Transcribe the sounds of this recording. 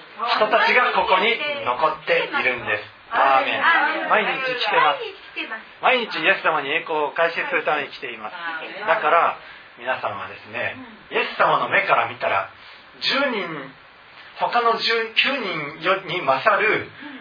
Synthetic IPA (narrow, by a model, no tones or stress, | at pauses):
çi̥t̪o̞t̪at͡ɕiɡako̞ko̞ɲ̟ino̞ko̞t̪ːe̞iɾɯ̟̃nd̪e̞sɨ̥ | d̪aːmẽ̞̰maiɲit͡ɕikʲi̥t̪e̞mas | maiɲ̟it͡ɕije̞sɨ̥samaɲ̟ie̞ːko̞ːkaiseɨ̥sɨɾɯ̟t̪ame̞ɲ̟ikʲi̥t̪e̞imasɨ̥d̪akaɾa | mʲinasã̰ɰ̃β̞a̰d̪e̞sɨne̞̰ | je̞sɨ̥samano̞me̞kaɾamʲit̪aɾa̰ | d͡ʑɨːɲĩɲ | ho̞kano̞d͡ʑɨːkʲɨːɲ̟ĩɰjoɲ̟imasaɾɯ̟